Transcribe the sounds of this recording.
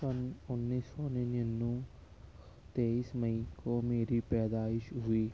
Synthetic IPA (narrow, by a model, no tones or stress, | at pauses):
pɐnonːiːsoːninɐnːũ | t̪eːismɐikomeːɾipɛːd̪aːɪʃɦʊiː